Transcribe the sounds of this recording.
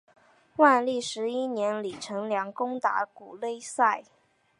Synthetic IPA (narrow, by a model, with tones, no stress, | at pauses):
wa˥˧nli˥˩ʂɻ̩˧˥i˥njɛ˧˥nli˨˩ʈ͡ʂʰɤ˧˥ŋljɑ˧˥ŋkʊ˥ŋt̪a̰˧˥ku˨˩le˥˧ɪsa˥˩ɪ